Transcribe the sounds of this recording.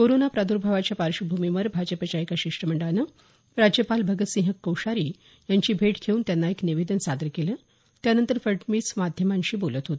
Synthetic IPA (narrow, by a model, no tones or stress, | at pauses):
koɾonapɾad̪uɾbʱaʋat͡ɕjapaɾɕubʱumiʋəɾbʱad͡ʑəpət͡ɕajkaɕiʂʈɾəməɳɖəanə | ɾad͡ʑjəpalbʱəɡət̪sĩɦəkːəwɕaɾiː | jaɲt͡ɕiːbʱeʈkʰeuːnt̪janːaekniʋed̪ənsad̪əɾkelə | t̪janənt̪əɾfəɾʈmiːsmad̪ʱjəmaɲɕiːbolət̪ɦot̪i